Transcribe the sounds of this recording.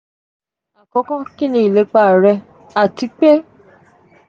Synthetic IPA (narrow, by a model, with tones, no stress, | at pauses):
a˨kɔ̃˨˧˦kã˦kĩ˦nĩ˦i˨le˨˦k͡pa˦˨ɾɛ˧ | a˨ti˧k͡pe˦